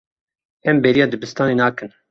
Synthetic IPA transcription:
ɛmbɛɾijɑːd̪ɨbɨst̪ɑːneːnɑːkɨn

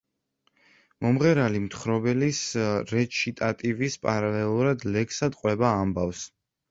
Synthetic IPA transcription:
mɔmʁɛɾalimt̪χɾɔbɛlisɾɛt͡ʃʰit̪ʼat̪ʼivispʼaɾalɛlˠuɾad̪lɛksad̪qʼwɛbaːmbafs

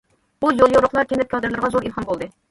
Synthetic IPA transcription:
bujolˠjoɾʊχlˠɑɾkʲʰɛnd̪ɛp̚kʲʰɑd̪ɨɾlˠɨɾʁɑzoɾilˠhɑnbolˠd̪ɨ

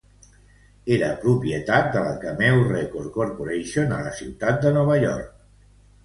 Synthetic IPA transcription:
eɾəpɾupjət̪at̪̚d̪ələkəmɛwrekoɾkoɾpoɾejʃonə̰ləsiwt̪at̪̚d̪ənɔβ̞əʎɔ̰ɾk̚

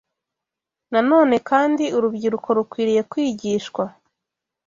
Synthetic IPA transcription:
nano̞ːne̞kaːndiuɾubɟiɾuko̞ɾukwiːɾije̞kwiːɟiːʃkwa

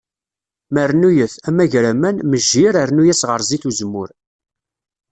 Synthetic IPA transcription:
məɾnujəθæmæʝɾæmænməʒːiɾəɾnujæsʁəɾˤziθuzəmːʊɾ

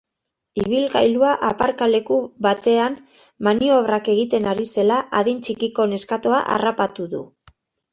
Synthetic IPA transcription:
iβ̞ilɣajluaʔapaɾkale̞kuβat̪e̞an | manio̞β̞rake̞ɣ̞it̪e̞naɾise̞laʔaðint͡ʃikiko̞ne̞skat̪o̞aʔa̰rapat̪uðṵ

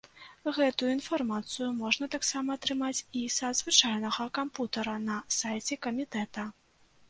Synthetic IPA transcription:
ɣɛt̪ujuinfarmat̪sɨjumɔʐnɐt̪aksamɐːt̪ɾɨmat͡sʲisɐd̪zvɨt͡ʂajnɐɣɐkamput̪ɐɾɐnɐsajt͡sʲɛkɐmʲit̪ɛt̪ɐ

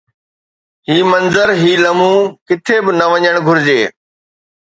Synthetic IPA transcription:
ɦiːmɐnzəɾɦiːlɐmũːkɪt̪ʰebɪnɐʋɐɲəɽ̃ɡʱʊɾɪd͡ʑeː

